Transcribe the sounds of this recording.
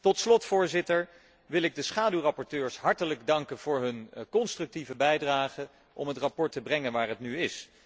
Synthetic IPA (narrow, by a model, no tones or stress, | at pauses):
tɔtslɔtfʊːɹzɪtəɹ | ʋɪlɪɡ̚dəsχaːdywrɑpɔɹtøːɹsɦɑɹtələɡdɑŋkənv̥ʊːɹɦɵnkɔnstrɵk̚tivəbɛjdraːχə | ʔɔ̰mɦətrapɔɹtəbrɛŋənʋaːɹɦətnyɪs